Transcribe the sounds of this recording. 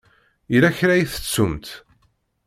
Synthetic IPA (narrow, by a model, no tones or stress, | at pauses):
ilæçɾæjiθə̥t͡sːumt̪